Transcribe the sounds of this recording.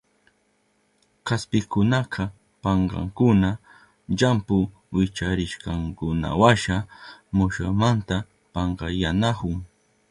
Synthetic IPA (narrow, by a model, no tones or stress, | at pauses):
kaspɪkʊnaqʰɑ | pɑɴɢɑ̰ŋkʊna | ʎampʊ | wɪt͡ʃaɾɪʃqɑŋkʊna̰waʃamʊʃamant̪a | pɑɴɢɑjanahʊŋ